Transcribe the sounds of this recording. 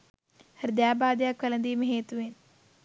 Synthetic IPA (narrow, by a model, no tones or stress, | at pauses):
hɐɾd̪jaːbaːd̪jaːkʋɐlɐnd̪iːmɐɦeːt̪uʋeːn